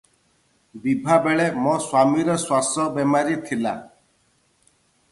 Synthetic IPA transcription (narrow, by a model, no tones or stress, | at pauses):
bibʱabeɭemɔswamiɾɔswasɔbɛmaɾit̪ʰila̰